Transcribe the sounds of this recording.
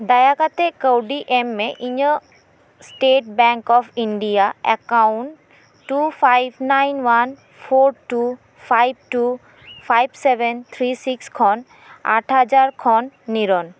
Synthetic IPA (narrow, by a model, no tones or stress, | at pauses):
d̪ajakat̪ekəwɖiʔemːẽʔiɲə | sʈeʈ̚bɛŋkɔfiɳɖijaɛkawɳʈː | ufʰajbnajnʋan | pʰoɾʈu | fʰajb̚ʈu | fʰajbseʋɛnt̪ʰɾisikskʰɔn | a̰ʈʰɦəd͡ʒaɾkʰɔnːiɾɔn